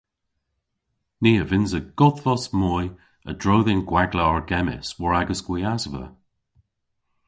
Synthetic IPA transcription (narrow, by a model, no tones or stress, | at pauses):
niːəvɪnzəɡ̥ɔðvɔsmɔj | ə̰dɹoːðɪnɡwaɡləɔɹɡɛmɪ̰swɔɹaɡəsɡ̥wiazvə̰